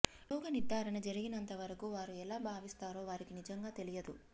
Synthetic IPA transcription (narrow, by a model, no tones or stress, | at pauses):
lɔːɡɐnid̪ːaːɾɐnɐd͡ʒɐɾiɡinɐnt̪ɐʋɐɾɐkuːʋaːɾuɛlaːbʱaːʋist̪aːɾo̞ːʋaːɾikinid͡ʒɐŋɡaːt̪e̞lijɐd̪ṵ